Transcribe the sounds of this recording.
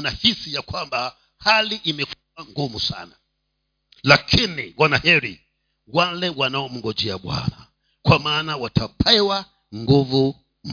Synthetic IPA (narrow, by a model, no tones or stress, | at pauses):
nahisijakwamba | haliʔimɛkuaŋɡumusa̰na | lakʰiniwanahɛɾi | walɛwanaɔm̩ɡɔd͡ʒɛaɓwa̰na | kwamaːnawatʰapɛwa | ŋɡuvu | m